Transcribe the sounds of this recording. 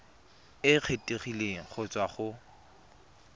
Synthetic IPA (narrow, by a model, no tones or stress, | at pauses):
ɪq͡χʰetʼeχileŋ̩χʊt͡sʼwaχʊ